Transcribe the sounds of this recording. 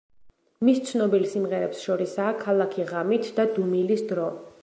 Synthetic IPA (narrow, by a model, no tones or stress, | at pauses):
mist̪sʰnɔbilsimʁɛɾɛpsʃɔɾisaːkʰalˠakʰiʁamit̪ʰd̪ad̪umilisd̪ɾɔ